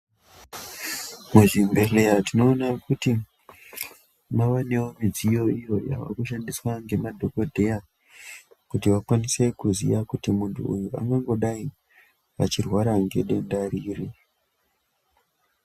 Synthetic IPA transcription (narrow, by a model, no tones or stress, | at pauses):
muʐimbe̞leatino̞ːnakuti | maʋane̞wo̞mid͡zijo̞ijo̞ja̰ʋa̰kuʃandiswaŋɡe̞madʱo̞ko̞dʱe̞ja | kutiʋakwanise̞kuziʋakutimuntʰṵujuʔa̰ŋɡaŋɡo̞ɗai | ʋa̰t͡ʃirwaɾaŋɡe̞̰ɗe̞ndaɾiːri